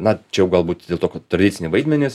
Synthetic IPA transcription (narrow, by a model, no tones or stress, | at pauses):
nɐt͡ʃʲɛjɛʊɡɐlˠbuːt̪dʲeːlˠt̪oːkʲt̪ɾɐd̪ʲɪtt͡s̪ʲɪnʲɪʋɐɪd̪ʲmʲɛnʲɪs